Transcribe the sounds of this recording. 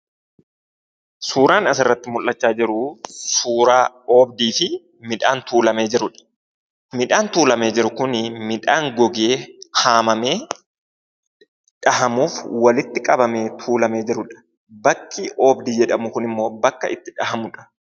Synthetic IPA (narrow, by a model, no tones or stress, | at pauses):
suːɾaːnɐsɪrːɐt̪ːɪmʊlːɐt͡ʃːaːd͡ʒɪɾʊsuːɾaː | o̞ːb̚d̪iːfɪ | mɪᶑaːnt̪uːlɐme̞ːd͡ʒɪɾʊᶑɐ̥ | mɪᶑaːnt̪uːlɐme̞ːd͡ʒɪɾʊkʊnmɪᶑaːŋɡɔɡe̞ːhaːmɐmeː | ᶑɐɦɐmuːfwɐlɪt̪ːɪkʼɐbɐme̞ːt̪ʰuːlɐme̞ːd͡ʒɪɾʊᶑɐ̥ | bɐkʼːiʔo̞ːbd̪iːd͡ʒɛᶑɐmʊkʊnɪmːo̞ːbɐkːɐ̰ʔɪt̪ːɪᶑɐhɐmʊᶑɐ̥